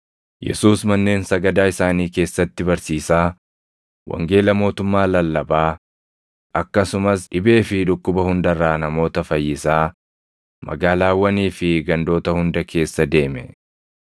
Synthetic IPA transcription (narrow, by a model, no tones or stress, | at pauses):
jʔɛ̰suːsmɐnːe̞ːnsɐɡɐd̪aːɪsaːniːke̞ːsːɐt̪ːɪbɐɾsiːsaː | wʔɐ̰ŋɡe̞ːlɐmo̞ːt̪ʊmːaːlɐlːɐbaː | ʔɐkːɐsʊmɐsᶑɪbe̞ːfɪᶑʊkːʊbɐhʊnd̪ɐrːaːnɐmo̞ːt̪ɐfɐjːɪsaː | mɐ̰ɡaːlaːwːɐniːfɪɡɐnd̪o̞ːt̪ɐhʊnd̪ɐkʰe̞ːsːɐd̪e̞ːmɛ̰